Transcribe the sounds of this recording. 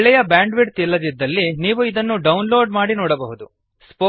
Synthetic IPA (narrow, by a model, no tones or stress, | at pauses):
ɭɛjɐbaːɳɖʋiɽt̪ilːɐd̪id̪ːɐlːiniːʋuid̪ɐnːuɖɐwnloːɖmaːɽinɔːɽɐbɐɦud̪u | spo